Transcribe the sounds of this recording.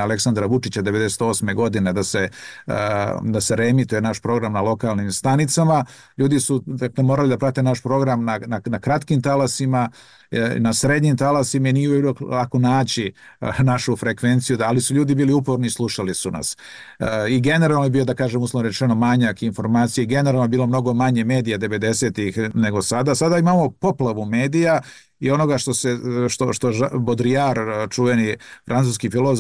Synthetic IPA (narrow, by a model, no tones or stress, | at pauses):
ale̞ksand̪ɾaʋut͡ʃit͡ɕad̪eʋe̞d̪e̞set̪o̞ːsme̞ɡo̞d̪ined̪ase̞ | d̪ase̞ɾemit̪uje̞naʃpɾo̞ɡɾamnalo̞kalˠnimst̪anit̪sama | ʎuːd̪isud̪akle̞moɾalid̪apɾat̪enaʃpɾo̞ɡɾamnananakɾat̪kimt̪alasima̰ | nasɾed̪ɲimt̪alasimainijeuloklakonaːt͡ɕi | naʃufɾekʋe̞nt̪sijud̪alisuʎuːd̪ibiːliupoɾnislˠuʃalisuna̰s | iɡe̞ne̞ɾaːlˠnoebiːjo̞d̪akaːʒemuslanoɾet͡ʃeno̞maɲakinfo̞ɾmaːt̪sijaiɡe̞neɾalnoebiːlo̞mno̞ɡo̞maɲe̞me̞ːd̪ijad̪e̞ʋe̞d̪e̞se̞ːt̪ixne̞ɡo̞sad̪aːsad̪aimaːmo̞po̞plˠaʋume̞ːd̪ija | io̞no̞ɡaʃt̪o̞seʃt̪oʃt̪oʒbod̪ɾiaɾt͡ʃuʋenifɾʔant̪uːskifilozo